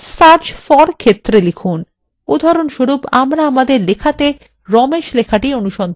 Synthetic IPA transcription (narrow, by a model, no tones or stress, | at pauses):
saɾd͡ʑfɔɾkʰet̪ːɾelikʰun | od̪ʱɔɾonʃoɾupamɾaamad̪eɾlekʰat̪e | ɾɔmeʃlekʰaʈionuʃɔnd̪ʱ